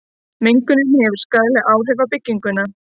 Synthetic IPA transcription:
meŋkʏnʏmhɛvʏɾ̥skaðlɛɣʔaːwɦɛvapɪcːiŋkʏna

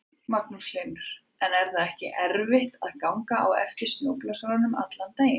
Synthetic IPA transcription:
maknuslenʏɾ̥ | ɛnɛɾ̥θaðɛhcɪ̰ʔɛɾvɪht̪aðkawŋkaa̰wɛ̰ft̪ɪsnoːwklasɔɾanʏma̰t̪lant̪eːjɪ

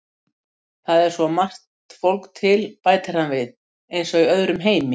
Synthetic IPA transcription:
θaðɛɾ̥svɔmar̥t̪fowlkt̪ʰɪlpaːjt̪aɾ̥hanvɪð | ejnsɔiœðɾʏmɦeːjmɪ

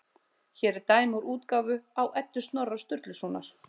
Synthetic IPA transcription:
çɛːɾɛɾt̪aːjmuɾuːt̪kaːvʏawʔɛt̪ːʏst̪nɔrḁst̪ʏɾt̪lʏsuːnaɾ̥

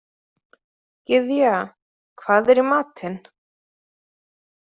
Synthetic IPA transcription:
cɪðja | kʰv̥aːðɛɾimaːt̪ɪn

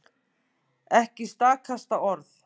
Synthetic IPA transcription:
ɛhcɪst̪aːkʰast̪aʔɔɾθ

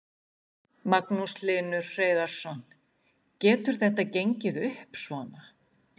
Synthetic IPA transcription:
maknuslɪːnʏɾ̥r̥eːjðaɾ̥sɔn | cɛːt̪ʏɾ̥θɛht̪acejɲcɪðʏhpsvɔːna

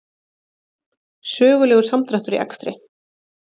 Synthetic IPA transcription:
sœːɣʏlɛːɣʏɾ̥samt̪ɾaht̪ʏɾiʔɛ̰kst̪ɾɪ

